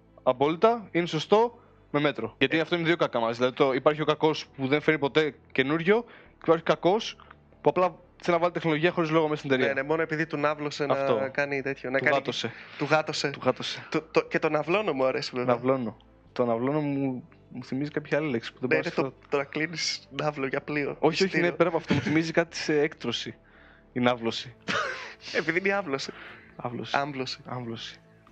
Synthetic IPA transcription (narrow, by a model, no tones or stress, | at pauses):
ɐpo̞lit̪ɐineso̞st̪o̞ | me̞me̞t̪ɾo̞ʝɐt̪iɐft̪oineðjokɐkɐmɐzðilɐðit̪oipɐɾçio̞kɐko̞spuðe̞nfeɾnipo̞t̪e̞ce̞nuɾʝo̞ | iepɐɾçi̥kɐko̞s | puɐplɐ | senɐvɐlit̪e̞xno̞loʝiɐxo̞ɾizlo̞ɣomesned̪eɾiɐnemo̞noe̞piðit̪unɐvlosenɐfokɐnit̪et̪çonɐukɐɣɐt̪oset̪uɣɐt̪oset̪uɣɐt̪ose̥t̪ot̪ocet̪o̞nɐvlo̞no̞muɐɾesivevnɐvlo̞no | t̪onɐvlo̞nomu | muθimizikɐpçɐɐlileksi̥puðebnet̪ot̪oɾɐklinisnɐvloʝɐplio̰oçioçnepeɾnɐpoɐft̪omuθimizikɐt̪i̥seekt̪ɾosi | inɐvlosi | epiðiniɐvlo̞siɐ̰vlo̰siɐɱvlosi̥ɐɱvlosi̥